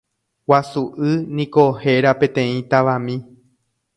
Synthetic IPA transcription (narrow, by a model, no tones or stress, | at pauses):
wasuʔɨnĩko̞he̞ɾapẽ̞t̪ẽ̞ĩt̪aʋãmĩ